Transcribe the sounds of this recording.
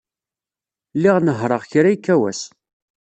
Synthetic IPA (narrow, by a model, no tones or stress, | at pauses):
lːiʁnəɦɾˤəʁçɾæjkːæwæ̰s